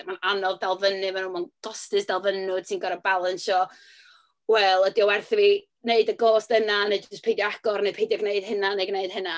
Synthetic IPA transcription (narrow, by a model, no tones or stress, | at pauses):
mananɔvdalˠvənɨmanuːmanɡ̥ɔstɨsd̥alˠvənʊd̥sʰinɡɔɾəbalˠənsɔ | wɛlˠədiɔwɛrθɾi | neɨdəɡoːstənaned͡ʒʊspʰejdjɔaɡ̥ɔrnejpʰejdjɔɡneɨd̥hɪnaneɡneɨd̥hɪna